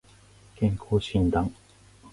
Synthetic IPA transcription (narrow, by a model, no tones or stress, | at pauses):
kɛŋkʰot͡ɕʰint̪aŋ